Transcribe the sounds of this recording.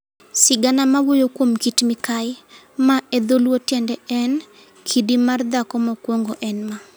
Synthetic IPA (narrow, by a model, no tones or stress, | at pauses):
sɪɡanamawojokwomkitmɪkajɪ | maɛd̪olwotjɛndɛɛn | kʰidimard̪akɔmɔkwoŋɡoʔɛnma